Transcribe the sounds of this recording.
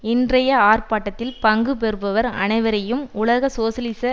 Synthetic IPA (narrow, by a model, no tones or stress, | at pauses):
ɪndrɐjɐaːrpaːʈːɐt̪ːɪlpɐŋɡɯpɛɾɯpɐʋɐɾɐ̰nɐɪʋɐɾɐjɯmʊlɐɣɐsoːsɐlɪsɐ